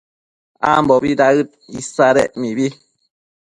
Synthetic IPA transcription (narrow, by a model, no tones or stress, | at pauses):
a̰mbɔbidaɣɨt̚isaɾɛʔmibi